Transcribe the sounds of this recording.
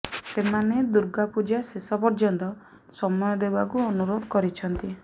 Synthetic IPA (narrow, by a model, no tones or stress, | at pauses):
semaned̪uɾɡapud͡ʒasesɔpɔɾd͡ʒɔnt̪ɔ | sɔmɔjɔd̪ebak̬uɔnuɾod̪ʱɔkɔɾit͡ʃʰɔnt̪i